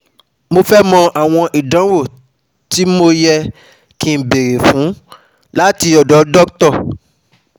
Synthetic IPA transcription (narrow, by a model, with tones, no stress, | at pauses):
mo˧fɛ˦mɔ̃˧ʔa˨w̃ɔ̃˧ʔi˨dã˨˦wo˦˨ | ti˦mo˧jɛ˧ | kĩ˧˨be˨ɾe˨fũ˨˦ | la˦ti˧ɔ˨dɔ˨˦dɔ˦ktɔ˦˨